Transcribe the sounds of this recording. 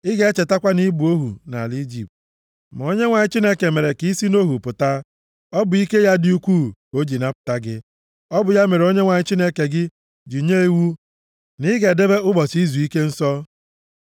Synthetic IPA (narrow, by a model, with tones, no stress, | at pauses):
ɪ˦ɡe˦e˦t͡ʃe˨ta˦kʷa˦ni˦bu˨o˦ɦṵ˨na̰˨li˦d͡ʒi˨p̚t | ma˨o˦ɲe˦ŋʷa˨ɲɪ˦t͡ʃi˦ne˦ke˨me˨ɾe˨ki˦si˦no˦ɦu˨pʊ˨ta˦ | ɔ˦bʊ˨i˦ke˦ja˦di˦u˦kʷu˦˨o˦d͡ʒi˨na˦pʊ̥˨ta˦ɡɪ˦ | ɔ˦bʊ˨ja˦me˨ɾo˦ɲe˦ŋʷa˨ɲɪ˦t͡ʃi˦ne˦ke˨ɡɪ˦ | d͡ʒi˨ɲe˦i˦wu˦ | nɪ˦ɡe˨de˦be˦ʊ˦bɔ˨si˦zu˨i˦ke˦n̩˦sɔ˦